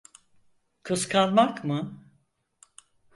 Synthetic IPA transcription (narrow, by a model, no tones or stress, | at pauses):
kʰɯskʰalˠmakmɯ